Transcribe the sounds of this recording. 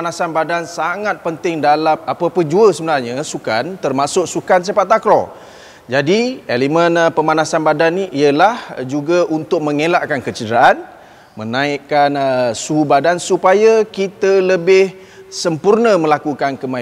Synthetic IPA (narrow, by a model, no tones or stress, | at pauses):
anasanbadansaŋat̪̚pənt̪ɪŋdalamapəpəd͡ʒuəsəbənarɲəsukant̪ərmasʊk̚sukans̬apaʔt̪ːakɾɔ̰ | d͡ʒadielimə̃npəmanasanbadaniʔiəlahd͡ʒuɡaʔunt̪ʊk̚mə̃ŋelaʔkankət͡ʃədəɾaʔan | mə̃naɪkːanəsuɦubadansupajakit̪ələbɪh | səmpurnəməlakukankəma